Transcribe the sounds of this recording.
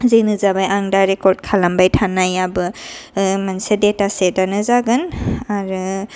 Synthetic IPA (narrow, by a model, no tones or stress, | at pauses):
zenɯzabajʔaŋdaɾekɔɾd̚kʰalambajtʰanajabɯ | mansedetasedanɯzaɡɯnaɾu